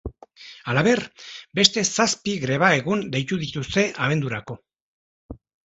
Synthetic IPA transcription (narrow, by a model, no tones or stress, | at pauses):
alaβe̞ɾbe̞st̪e̞saspiɣɾe̞β̞ae̞ɣund̪e̞jt̪uðit̪ust̪e̞ʔaβe̞nd̪uɾako̞